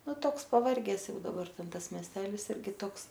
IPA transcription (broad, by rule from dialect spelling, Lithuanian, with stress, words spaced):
ˈnʊ ˈtoːks pɐˈʋɐrʲɡʲɛs ˈjɛʊ dɐˈbɐr ˈtʲɛn ˈtɐs mʲiɛsʲˈtʲæːlʲɪs ˈɪrʲɡʲɪ ˈtoːks